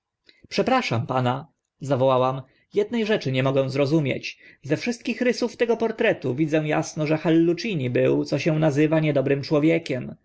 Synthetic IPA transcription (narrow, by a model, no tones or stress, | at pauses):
pʂɛpɾaʂampana | zavɔwawam | jɛd̪̚nɛjʐɛt͡ʂɘɲɛmɔɡɛ̃w̃zɾɔzumʲjḛt͡ɕzɛfʂɘst̪̚kʲixɾɘsuft̪ɛɡɔpɔɾt̪ɾɛt̪uvʲid̪d͡z̪ɛw̃ja̰snɔʐɛxalːut͡ʂiɲibɘwt̪sɔɕɛw̃nazɘvaɲɛd̪ɔbɾɘmt͡ʂwɔvʲjɛkʲɛm